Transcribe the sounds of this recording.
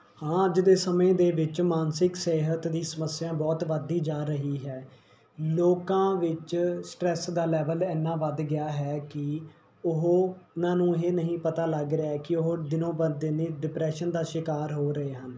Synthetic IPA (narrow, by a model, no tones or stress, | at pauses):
hãːəd͡ʒd̪eːsəmẽːd̪eːʋɪt͡ʃmaːnsɪkseːɦət̪d̪ĩːsəməsːɪjãːbɔːt̪ʋəd̪iːd͡ʒaːɾəɦiːɦɛː | loːkãːʋɪt͡ʃsʈɾɛːsd̪aːlɛːʋəlɛːnːãːʋəd̪ɡɪaːɦɛːkɪ | ʊɦoːʊnãːnũːɦeːnəɦĩːpət̪aːləɡɾeaːɦɛːkɪʊɦoːd̪ɪnõːbəd̪eːneːɖɪpɾɛːʃənd̪aːʃɪkaːɾɦoːɾəeːɦən